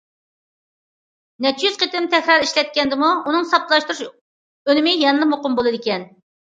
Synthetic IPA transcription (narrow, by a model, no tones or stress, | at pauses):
nɛt͡ʃʰijyz̥qʰət̪ɪmt̪ʰɛkʲɾɑɾiʃlɛt̪̚kʲɛnd̪ɪmuunɨŋsɑp̚t̪lˠɑʃt̪uɾuʃ | ølɪmɪjɑɛnɨd̪ɨmoqʊmbolˠɨd̪ɪkʲɛn